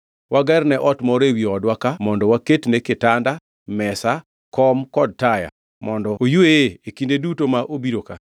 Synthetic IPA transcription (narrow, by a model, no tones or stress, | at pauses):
wʔaɡɛrnɛʔɔtmɔɾewiɔdwakamɔndɔwaketnekɪtanda | mɛsa | kɔmkɔd̚taja̰ | mɔndɔojueekindedutomaʔobiɾoka